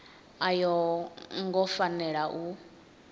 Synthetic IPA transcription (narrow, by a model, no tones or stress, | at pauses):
ajɔŋɡɔfanɛɺaʔu